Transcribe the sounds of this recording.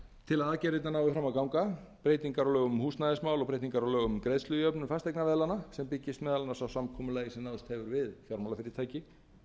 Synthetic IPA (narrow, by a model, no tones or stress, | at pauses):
t̪ʰɪlaaðcɛːɾet̪nanaːwvɪfɾaːmawkawŋka | pɾeːjt̪niŋkaɾɔlœːɣʏmhuːst̪najðɪsmaːwlɔpɾeːjt̪iŋkaɾɔlœːɣʏmkɾejðslʏðjœpnʏmfast̪ejknavɛːðlanasɛmpɪcːɪst̪mɛːðalanasawsamkʰɔmʏlaːjɪsɛmnawðst̪hɛvʏɾvɪðfjawɾmawlafɪɾɪt̪ʰaːjcɪ